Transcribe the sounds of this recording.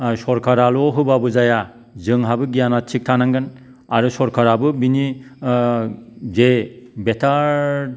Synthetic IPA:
sɔɾkʰaɾalɔɦɯbabɯzaja | zɯŋɦabɯɡijanat͡ʃʰik̚tʰanaŋɡɯn | aɾɯsɔɾkʰaɾabɯbini | zebetʰaɾ

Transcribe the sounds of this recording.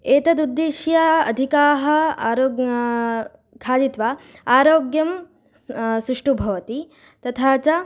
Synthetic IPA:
eːt̪ɐd̪ud̪ːeːʃjɐɐd̪ʱikaːɦɐ̆ːɾoːɡ | kʰaːd̪it̪ʋa | aːɾoːɡjɐm | sɾuʂʈubʱɐʋɐt̪i | t̪ɐt̪ʰaːt͡ʃɐ

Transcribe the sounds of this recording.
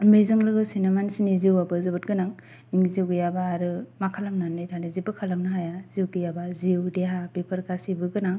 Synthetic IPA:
mezɯŋlɯɡɯsinamansiniziwabɯzɯbɯt̚ɡɯnaŋ | iŋziwɡɯjabaːɾɯmakʰalamnanajtʰanɯzibɯkʰalamnɯɦajaziwɡɯjabaziwdeɦabipʰaɾkasibɯɡɯnaŋ

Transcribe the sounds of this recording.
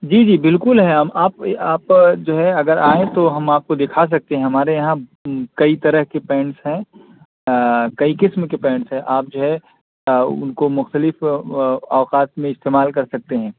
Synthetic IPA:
d͡ʒiːd͡ʒiːbɪlkʊlɦɛɦɐmaːpaːpd͡ʒoːɦɛɐɡəɾaːẽt̪oɦɐmaːp̚kod̪ɪkʰas̬ɐk̚t̪eɦɛ̃ɦɐmaːɾejɐɦãkɐit̪ɐɾəɦkepɛ̃ːɳsɦɛ̃ | kɐikɪsmkepɛ̃ːɳsɦɛ̃ʔaːp̚d͡ʒoːɦɛ | ʊ̰nkomʊxt̪əlɪf | ɔːqaːt̪mẽɪst̪eːmaːlkɐɾsɐk̚t̪eɦɛ̃ː

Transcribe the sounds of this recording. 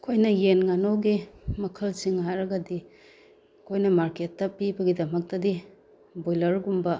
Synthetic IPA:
kʰojnɐjenŋanowɡimɐkʰɐlsiŋɦaɾɐɡɐdi | kʰojnɐmaɾketːɐpibɐɡidɐmɐk̚tɐdi | bojlɐɾɡumbɐ

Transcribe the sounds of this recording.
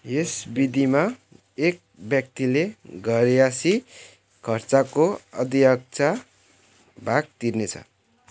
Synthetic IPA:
jesbid̪ima | ek̚bjʌk̚t̪ileɡʱʌɾjasi | kʰʌrt͡sakoʌ̰d̪iʌk̚t͡sa | bʱaɡ̚t̪irnet͡sʰʌ̰

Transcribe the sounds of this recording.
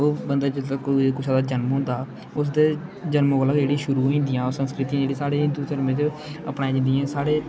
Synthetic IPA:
oːbənd̪aːd͡ʒəakekʊsaːd̪aːd͡ʒənmɦõːnd̪aː | ʊs̬d̪eːd͡ʒənmoːɡəlaɡd͡ʒeːɽiːʃʊɾuːɦoĩːnd̪ijãːoːsənskɾɪt̪iːãːd͡ʒeːɽiːsaːɽeːɪ̃nd̪uːt̪əɾmẽːt͡ʃ | əpnaːĩnd̪ijãːsaːɽeː

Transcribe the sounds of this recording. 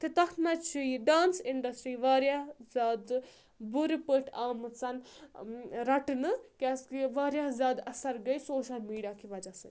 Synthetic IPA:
t̪it̪ɐt̪ʰnɐt͡ʃʰijiɖaːnsiɳɖɐsʈɾiːʋaːɾjazʲaːd̪ | buɾipəʈʰaːmɨt͡sɐn | ɾɐʈɨnɨkʲaskiʋaːɾjaːzʲaːd̪ɐsɐɾɡɐjsoːʃɐlmiːɖijaːkʰiʋɐd͡ʒasɐn

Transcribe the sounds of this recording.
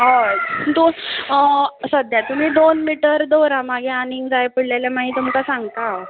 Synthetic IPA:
ɦəd̪on | səd̪jat̪um̤iːd̪onmiʈəɾd̪oɾamaɡeaniŋɡd͡zajpəɽljalamaɦiːt̪umkasãŋɡt̪a

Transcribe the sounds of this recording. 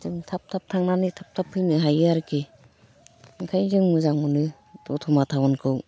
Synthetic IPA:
zɯŋtʰap̚tʰap̚tʰaŋnanɯtʰap̚tʰapʰːɯjnɯɦajɯaɾkʰe | ŋkʰajzɯŋmɯzaŋmɯnɯ | dɔtʰɔmatʰawɔnkʰɯw

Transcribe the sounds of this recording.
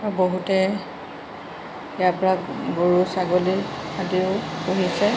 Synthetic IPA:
ɔboɦutɛ | japɔɹaɡoɹusaɡoliadiʊpuɦisɛ

